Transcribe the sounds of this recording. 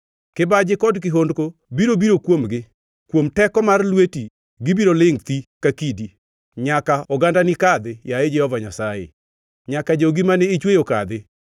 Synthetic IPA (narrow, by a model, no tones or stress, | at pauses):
kɪbad͡ʒɪkɔdkɪɦondkobiɾobiɾokwomɡɪ | kwomtɛkɔmarlweti | ɡɪbiɾolɪŋt̪ikakidi | ɲakaɔɡandanɪkad̪ɪjaed͡ʒɛhɔvaɲasajḛ | ɲakad͡ʒoɡimanɛːt͡ʃwejoka̰d̪ɪ